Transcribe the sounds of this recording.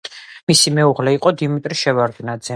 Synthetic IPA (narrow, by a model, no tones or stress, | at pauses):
misimɛuʁlɛiqʼɔd̪imit̪ʼɾiʃɛvaɾɡnad̪zɛ